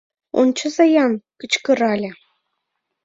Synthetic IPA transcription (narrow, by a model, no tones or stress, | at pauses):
o̰nt͡ɕɤ̆zɑjɑnkə̆t͡ɕkɤ̆ɾɑlʲĕ